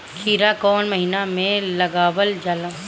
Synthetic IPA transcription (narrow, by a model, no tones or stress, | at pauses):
kʰiːɾakɔːnmɐɦinamẽlɐɡaːwəld͡ʒaːlãː